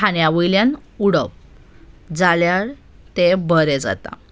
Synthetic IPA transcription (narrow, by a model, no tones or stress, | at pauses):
aɳjaʋəjljanuɽəp̚ | d͡zaljaɭ | t̪ebʱəɾɛd͡za̰t̪a̰